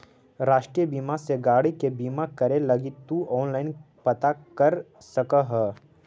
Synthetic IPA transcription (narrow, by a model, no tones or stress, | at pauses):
ɾaːʃʈɾijəbiːmaseɡaːɽikebiːmakɐɾelɐɡit̪uɔːnlaːɪn | pɐt̪akɐɾ | sɐkəɦɛ